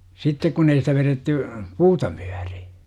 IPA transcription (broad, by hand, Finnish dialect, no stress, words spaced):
sitːek kun ei sitæ ʋeretːy puːtɑ mu̥æ̥r̥i̥